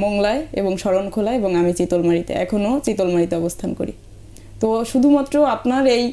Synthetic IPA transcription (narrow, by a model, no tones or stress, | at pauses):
mɔŋlaeḛboŋʃɔɾonkʰolaeboŋamit͡ɕit̪olmaɾit̪ḛɛ̰kʰonot͡ɕit̪olmaɾit̪eɔbost̪ʰanko̰ɾḭ | t̪oʃud̪ʱumat̪ːɾoapnaɾej